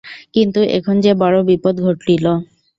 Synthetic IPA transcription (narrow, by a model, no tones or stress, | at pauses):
kint̪uʔḛkʰond͡ʑebɔɽobipod̪ɡʱoʈːilo